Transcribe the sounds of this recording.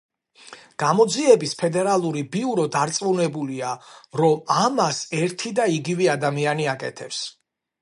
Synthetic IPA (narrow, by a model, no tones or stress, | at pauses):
ɡ̥amɔd̪ziɛbispʰɛd̪ɛɾalˠuɾibiuɾɔd̪aɾt̪sʼmunɛbuliaɾɔmamasɛɾt̪ʰid̪aiɡivɛad̪amianiakʼɛ̰t̪ʰɛps